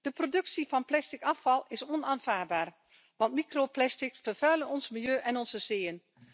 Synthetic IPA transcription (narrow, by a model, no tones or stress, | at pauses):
d̥əprodɵksivɑnplɛstɪkɑfɑlˠɪsɔnaːnv̥aːrbaːr | ʋɑntmikroplɛstɪkfərv̥œːlənɔnsmɪlˠjøːʔɛnɔnzəsɪːən